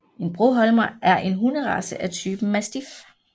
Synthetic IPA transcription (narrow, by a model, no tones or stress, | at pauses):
e̝nb̥ʁoɦɒlmɐʔæɐʔe̝nɦunəʁɑ̈səʔæt͡sʰyːb̥n̩mːæsd̥if